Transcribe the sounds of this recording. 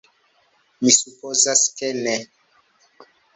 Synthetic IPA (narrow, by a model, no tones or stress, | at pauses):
misupozaskɛnɛ